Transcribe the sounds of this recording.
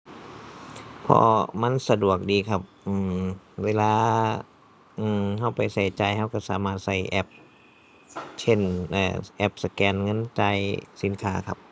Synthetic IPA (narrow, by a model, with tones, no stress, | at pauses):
pʰɔ̰ː˧ma˧˥˨nsa˧du˨˩ək̚diː˨˩kʰa˧˩p̚ʔɯː˧˩mweː˧˥laː˧ | ʔɯː˧˩mɦa˧˩wpa˨˩jsa˧˩jt͡ɕa˧˩jha˧˩˨wka˧˩saː˨˦maː˧˩t̪̚sa˧˩jʔɛ˧˩p̚ | t͡ɕʰe˧˥˩nʔaː˧˩ʔɛ˧˩p̚sa˧kɛː˧˩nŋɤ˧˥˨nt͡ɕa˧jsi˨˦nkʰaː˧˥kʰa˧p̚